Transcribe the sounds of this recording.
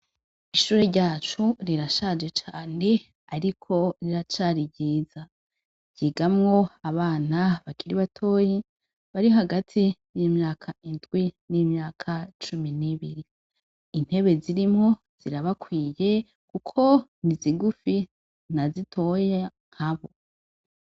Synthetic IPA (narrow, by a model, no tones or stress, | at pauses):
iʃuːɾe̞ɾɟaːt͡ʃuɾiɾaʃad͡ʒe̞t͡ʃaːne | aɾikʰo̞ɾiɾat͡ʃaɾiɟiːza | ɟ̥iɡamŋo̞aβaːnaβakʰiɾiβatʰo̞ːji | βaɾioɦaɡatʰijimɲaːkʰaindɡwinimɲaːkʰat͡ʃuminiβiɾi | in̥he̞βe̞ziɾimŋo̞ | z̥iɾaβakwiːje̞ | kukʰo̞niziɡufi | n̥azitʰo̞jeŋŋ̥haβo̞